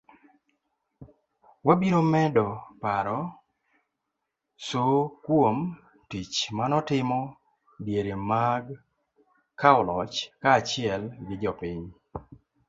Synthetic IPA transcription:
wabiɾomɛdɔpaɾɔ | sokwom | tit͡ʃmanɔtɪmɔ | bjeɾemaɡ | kaɔlɔt͡ʃkaːt͡ʃɪɛlɡɪd͡ʒɔpiɲ

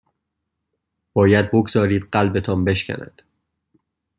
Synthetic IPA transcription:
b̥ɒːjæd̪̚boɡzɒːɾiːd̪ɢælbe̞t̪ʰɒːmbe̞ʃcʰʲæ̰næ̰d̪̥

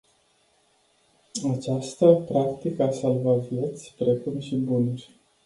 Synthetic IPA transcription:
at͡ʃast̪əpɾakt̪ikəasalvavjet̪sʲpɾe̞kumʃibunurʲ

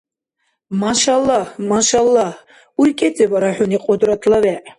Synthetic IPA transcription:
maʃalˠːɑhmaʃalˠːɑh | urkʼet͡sʼebaɾaħʊniqʼʊd̪rat̪ʰlawæʔ

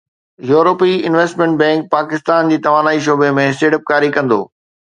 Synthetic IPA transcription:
juːɾoːpiɪnʋeːsʈmɛ̃ɳʈ̚bɛ̃ːŋk̚paːkɪst̪aːnd͡ʑiːt̪ɐʋaːnaːiʃ̬oːbemẽɪsʈeːʈəp̚kaːɾikɐ̃nd̪o̰ː

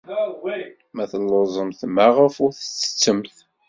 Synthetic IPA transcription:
mæθəlːəzˤəmθmaʁəfʊɾθə̥t͡sːə̥t͡sːəmθ

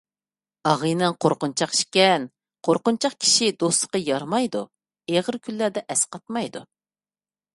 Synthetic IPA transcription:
ɑʁɨnɨŋqʰoɾqʊnt͡ʃʰɑqi̥ʃkʲɛn | qʰoɾqʊnt͡ʃʰɑqkʲʰi̥ʃid̪osə̥qɑjɑɾmɑjd̪ṵ | eʁəɾkʲʰylːæd̪ɛʔɛsqɑt̪mɑjd̪u

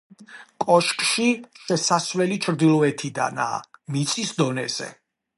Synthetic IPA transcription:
kʼɔʃkʼʃiʃɛsaswlɛlit͡ʃʰɾd̪ilˠɔɛt̪ʰid̪a̰na̰ːmit̪sʼisd̪ɔnɛ̰z̥ɛ̰

